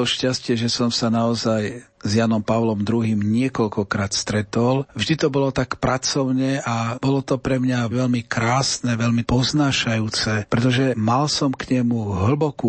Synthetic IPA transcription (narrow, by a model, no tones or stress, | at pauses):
ɔʃcascɪɛʒɛsɔmsanaɔzaj | zjanɔmpaʊlɔmd̪ɾuɦiːmɲɪɛkɔlkɔkɾaːt̪st̪ɾɛt̪ɔlvʒd̪it̪ɔbɔlɔt̪akpɾat͡sɔʊɲɛʔabɔlɔt̪ɔpɾɛmɲaʋɛlmikɾaːsnɛʋɛlmipɔznaːʃajuːt͡sɛpɾɛt̪ɔʒɛmalsɔmkɲɛmuɦl̩bɔku